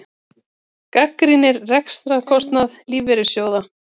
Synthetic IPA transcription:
kakɾinɪɾːɛkst̪ɾaðkʰɔst̪naðliːvɛɾʏsjoːwða

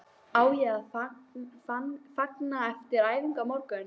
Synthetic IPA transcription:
aːwjɛɣaðf | afaknaɛft̪ɪɾaːjviŋkamɔɾkʏn

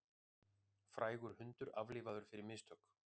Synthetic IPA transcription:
fɾʔaːjɣʏɾ̥hʏnt̪ʏɾavlɪːvaðʏɾ̥fɪɾɪɾmɪst̪ʰœk

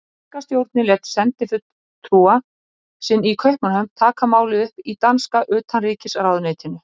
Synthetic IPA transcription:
ɛkast̪jowɾt̪nɪlɛt̪sɛnt̪ɪfʏt̪ | t̪ʰːɾuːa | sɪnːikʰœɥhpmanhœmt̪ʰaːkamaːwlɪðʏhpit̪anskaʔʏːt̪ʰanriːcɪsaɾaːwðʏneːjt̪ʰɪnːʏ

